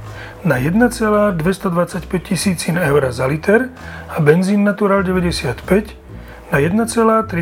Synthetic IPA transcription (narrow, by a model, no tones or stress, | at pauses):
najɛd̪nat͡sɛlaːd̪ʋɛst̪ɔd̪ʋat͡sacpɛc̚cːisiːt͡sinɛʊɾazalit̪ɛɾ | abɛnziːnːat̪uɾaːlɟɛʋɛɟɛsɪat̪pɛc | najɛd̪nat͡sɛlaːt̪ɾi